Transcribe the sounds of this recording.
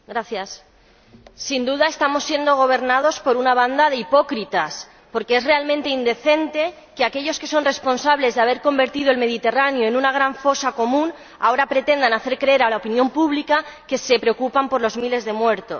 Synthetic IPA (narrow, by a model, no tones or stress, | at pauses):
ɡɾaθjasː | ind̪uðae̞st̪amo̞sːje̞nd̪o̞ɣ̞o̞β̞e̞ɾnað̞o̞spo̞ɾunaβ̞and̪aðeipo̞kɾit̪as | po̞ɾkee̞zre̞almẽnt̪e̞ind̪e̞θe̞nt̪e̞ | keake̞ʎo̞ske̞so̞nre̞spo̞nsaβle̞zðeaβe̞ɾko̞mbeɾt̪iðo̞elme̞ð̞it̪e̞ranjo̞enunaɣ̞ɾaɱfo̞sako̞mũn | ao̞ɾapɾe̞t̪e̞nd̪anaθe̞ɾkɾe̞eɾalaopinjõ̞mpuβlikake̞se̞pɾe̞okupampo̞ɾlo̞zmile̞zðe̞mwe̞ɾt̪o̞s